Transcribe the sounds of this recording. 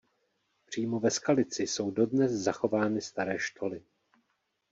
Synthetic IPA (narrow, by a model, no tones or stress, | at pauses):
pr̝̥iːmo̞vɛskalɪt͡sɪso̞wdo̞dnɛszaxo̞vaːnɪst̪aɾɛːʃto̞lɪ